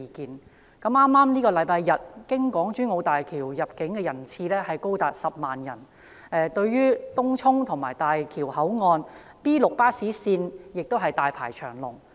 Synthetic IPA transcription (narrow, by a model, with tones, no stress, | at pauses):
i˨˧kiː˨˧n | kɐ˨˥mʔaː˥mːaː˥mniː˥kɔː˧lɐ˨˧˥jpaː˧jjɐ˨t̚kɪ˥ŋkʷɔː˨˥ŋt͡ʃyː˥nŋo˨˧wt̪aː˨jkʰiː˨˩wjɐ˨p̚kɪ˨˥ŋkɛː˧jɐ˨˩nt͡sʰiː˧lɛː˥hɐ˨jko˥wt̪aː˨˧t̚sɐ˨p̚maː˨njɐ̰˨˩n | ɛː˧t̪ɵ˧ɥɥyː˥t̪ʊ˥ŋt͡sʰʊ˥ŋt̪ʰʊ˨˩ŋmaː˨˩jt̪aː˨jkʰiː˨˩whɐ˨˥wŋɔː˧n | piː˥lʊ˨k̚paː˥siː˨˥siː˧njɪ˨k̚t̪o˥wɦɐ˨jt̪aː˨jpʰa̰ː˨˩jt͡ʃʰœː˨˩ŋlʊ̰˨˩ŋ